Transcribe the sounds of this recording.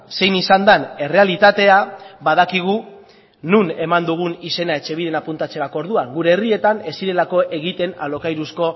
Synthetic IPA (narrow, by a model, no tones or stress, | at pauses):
se̞jnisand̪ane̞re̞alit̪at̪e̞abaðakiɣ̞u | nune̞mand̪uɣ̞unise̞nae̞t͡ʃe̞βiðe̞napunt̪at͡se̞ɾako̞ɾðuaŋɡuɾe̞ːrie̞t̪ane̞siɾe̞lako̞ʔe̞ɣit̪e̞na̰lo̞kajɾusko̞